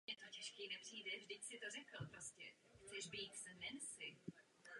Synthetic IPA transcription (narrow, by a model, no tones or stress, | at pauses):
ɛt̪ocɛʃkiːnɛpr̝̥iːdɛvʒdɪcsɪt̪o̞r̝ɛkl̩pɾoscɛ̰ | xt͡sɛʒbiːt̪sɛndɛnsɪ